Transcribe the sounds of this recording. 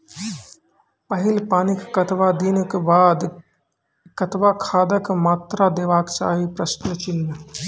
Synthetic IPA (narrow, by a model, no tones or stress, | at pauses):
pəɦɪlpaːnɪkːɐt̪ʋad̪inkebaːd̪ | kɐt̪ʋakʰaːd̪əkmaːt̪ɾad̪eːʋaːkt͡ʃa̰ːɦipɾəʃnət͡ʃɪnːə